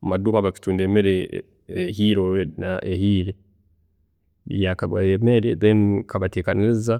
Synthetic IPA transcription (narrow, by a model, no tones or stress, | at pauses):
amaduːβaβaki̥tuːndeːmeɾe | ehiɾonaʔehiːɾe | ḭjakaβwa̰jemeɾedenkaβateːkaniiza